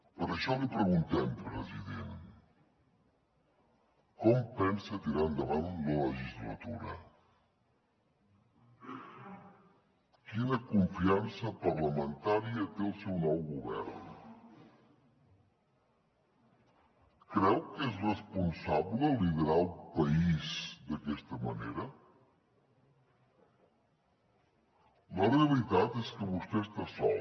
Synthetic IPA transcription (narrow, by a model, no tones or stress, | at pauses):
pəɾəʃɔlipɾəɣunt̪ɛmpɾəziðen | kɔmpɛnsət̪iɾand̪əβanlələʒizlə̰t̪uɾə̰ | kinəkuɱfiansəpəɾləmənt̪aɾiət̪eəlˠsɛwnɔwɣuβɛ̰ɾn | kɾɛwkezrəspunsaβləliβɾalˠpəizd̪əkɛst̪əmənḛɾə | ləreəlit̪at̪eskəβust̪eest̪asɔ̰l